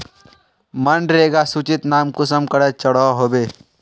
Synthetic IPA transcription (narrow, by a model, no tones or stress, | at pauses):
mənɖɾeːɡasut͡ʃɪt̪naːmkʊsəmkəɽet͡ʃəɽɔɦoːbeː